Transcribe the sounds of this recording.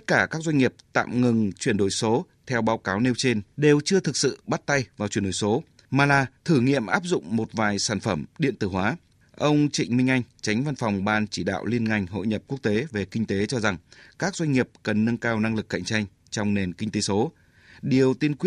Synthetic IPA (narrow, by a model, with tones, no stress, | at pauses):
t̪ə˦˥t̚kaː˧˩kaː˦˥k̚zwa˧jŋ̟ŋi˨˩əp̚t̪a̰ː˧˨mŋɨ˨˩ŋt͡ɕwi˧˩ənɗo˧˩jso˨˦ | t̪ʰɛ˧wɓaː˨˦wkaː˨˦wne˧wt͡ɕe˧nɗe˨˩wt͡ɕɨ˧ət̪ʰɨ˨˩k̚sɨ̰˧˨ɓa˦˥t̚t̪a˧jvaː˨˩t͡ɕwi˧˩ənɗo̰˧˩jso˨˦ | maː˨˩laː˨˩t̪ʰɨ˧˩ŋḭ˧˨əmʔaː˦˥p̚zʊ̰˧˨ŋ͡mmo˨˩t̚vaː˨˩jsaː˧˩nfə˧˩mɗḭ˧˨ənt̪ɨ˧˩ɦwaː˨˦ | ʔə˧wŋ͡mt͡ɕḭ˧˨ŋ̟mï˧ŋ̟ʔa˧jŋ̟t͡ɕa˨˦jŋ̟va˧nfɔ˨˩wŋ͡mɓaː˧nt͡ɕi˧˩ɗa̰ː˧˨wli˧ənŋa˧jŋ̟ɦo̰˧˨jɲə˨˩p̚ku˦˥ək̚t̪e˨˦ve˨˩kï˧ŋ̟t̪e˨˦t͡ɕɔ˧za˨˩ŋkaː˦˥k̚zwa˧jŋ̟ŋi˨˩əp̚kə˨˩nːɨ˧ŋkaː˧wna˧ŋlɨ˨˩kːa̰˧˨ŋt͡ɕa˧jŋ̟ | t͡ɕɔ˧wŋ͡mne˨˩nkï˧ŋ̟t̪e˨˦so˨˦ | ɗi˨˩əwt̪i˧ənkwi˦˥